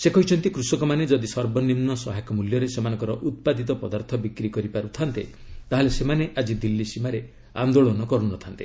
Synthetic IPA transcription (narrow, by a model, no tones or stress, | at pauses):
sekɔɦit͡ʃʰɔnt̪ikɾusɔkɔmaned͡ʒɔd̪isɔɾbɔnimnɔsɔɦajkɔmuljɔɾesemanɔ̃ŋkɔɾɔʔut̪̚pad̪ʱit̪̬ɔpɔd̪aɾt̪ʰɔbikɾikɔɾipaɾut̪ʰant̪e | t̪aɦelesemaneʔad͡ʒid̪ilːisimaɾe | a̰nd̪oɭɔnɔkɔɾunɔt̪ʰant̪i̥